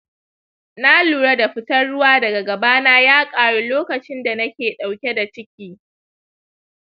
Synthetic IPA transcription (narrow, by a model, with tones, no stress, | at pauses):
na˦luː˨ɽa˦da˨ɸɪ˦tɐ˦rɽʊ˦waː˦dɐ˨ɡa˨ɡɐ˨baː˦naː˦jaː˦kʼaː˨ɽu˦loː˦kɐ˨t͡ʃɪ˦nda˨nɐ˦kʲeː˨ɗa˨wkʲe˦da˨t͡ʃɪ˦kʲiː˦